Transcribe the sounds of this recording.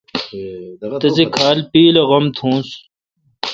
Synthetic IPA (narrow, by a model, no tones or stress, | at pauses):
t̪ɐzikʰaːlpiːlɐɣɐmt̪ʰũːs